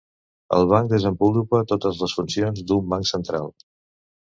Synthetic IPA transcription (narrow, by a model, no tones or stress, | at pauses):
ə̰lˠβ̞aŋkd̪əzəmbulupət̪ot̪əzləsfunsionzd̪umbaŋksənt̪ɾa̰lˠ